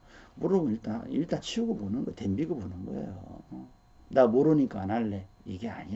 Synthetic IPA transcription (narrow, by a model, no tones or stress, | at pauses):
muɾomɯniɭt͈aḭlt͈ant͡ɕʰiuɡoponɯnɡʌte̞mbiɡobonɯnɡʌ̰ḛjo̰ | namoɾoɲik͈anaɭːeiɡeaɲi